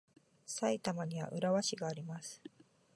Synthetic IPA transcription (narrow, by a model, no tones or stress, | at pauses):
sait̪amaɲ̟iβa̰ʔɯ̟ɾaβaɕiɡaːɾʲimasɨ̥